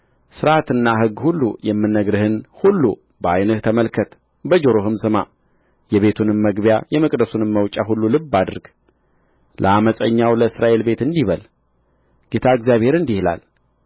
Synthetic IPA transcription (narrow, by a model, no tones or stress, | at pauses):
sɨɾat̪ɨnːaɦɨɡːhulːṵjɛmːɨnːəɡɾɨhɨnhulːu | bəajnəht̪ʰəməlkʰət̪ | bəd͡ʒoɾoɦɨmsɨma | jɛβe̞t̪ʰunɨmːəɡbjajɛməkʼd̪əsunɨmməwt͡ʃʼaɦulːulɨbːad̪ɨɾɡ̥ | lʔə̰aməsʼəɲːawləɨsɾaʔe̞lbe̞t̪ɨnd̪iβəl | ɡ̥et̪ʰaɨɡzjaβhe̞ɾɨnd̪ihla̰l